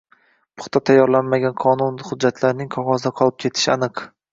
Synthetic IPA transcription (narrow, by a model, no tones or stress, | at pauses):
pʰʊ̥χt̪ʰat̪ʰajːɒɾlanmaɡʲanqʰɒnʊnχʊd͡ʒːat̪ʰlaɾnɪŋqʰɒʁɒzd̪aqʰɒlˠɪp̚kʲʰe̞t̪ʰɪ̥ʃanɨq